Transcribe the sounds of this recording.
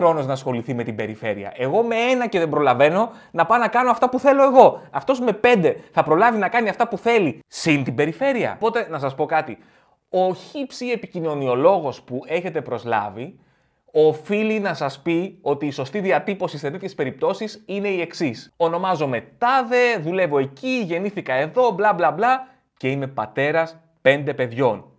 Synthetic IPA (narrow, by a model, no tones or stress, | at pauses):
ɾo̞noznɐsxo̞liθime̞t̪ibe̞ɾife̞ɾḭɐ̰e̞ɣo̞mee̞nɐce̞ðe̞mbɾo̞lɐve̞no̞ | nɐpɐnɐkɐnoɐft̪ɐpuθe̞lo̞e̞ɣo̞ɐft̪o̞zme̞pe̞nd̪e̞θɐpɾo̞lɐvinɐkɐniɐft̪ɐpuθe̞lisint̪ibe̞ɾife̞ɾiɐ̰po̞t̪e̞nɐsɐspo̞kɐt̪i | o̞çipsie̞picino̞nio̞lo̞ɣo̞spue̞çe̞t̪e̞pɾo̞zlɐ̰vi | o̞filinɐsɐspio̞t̪iːso̞st̪iðiɐt̪ipo̞sistet̪et̪çe̞spe̞ɾip̚t̪o̞sisine̞ie̞ksiso̞no̞mɐzo̞me̞t̪ɐðe̞ðule̞vo̞e̞ciʝe̞niθikɐe̞ðo̞blɐblɐblɐ | ce̞ine̞pɐ̰t̪e̞ɾɐs | pe̞nd̪e̞pe̞ðʝo̞n